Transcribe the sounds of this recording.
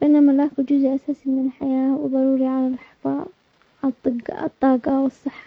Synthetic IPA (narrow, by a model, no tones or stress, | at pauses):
fɪʔɪnːamalaːkʊd͡ʒʊzʔʔasaːsimɪnɪlħajaːwɪðˤɑɾˤuːɾiʕalalħfɑ̰ːðˤ | ʕat̪ˤːɨɡɑ̰t̪ˤːɑːɡɑwɨsˤːɨħːḁ